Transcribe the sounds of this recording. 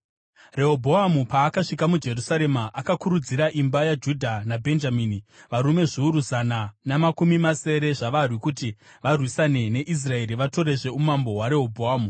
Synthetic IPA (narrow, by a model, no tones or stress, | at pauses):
re̞ɦobʱo̞amupaːkaʂikamud͡ʒe̞rusaɾe̞maʔakakuɾud͡ziɾaʔimbajad͡ʒudʱanabʱe̞nd͡ʒamiːniʋaɾume̞ʐiuɾuzananamakumimase̞ɾe̞ʐaʋarwikuti | ʋarwisane̞ne̞ʔis̬rae̞ɾiʋato̞ɾe̞ʐe̞umambo̞ɦwaɾe̞ɦobʱoaːmu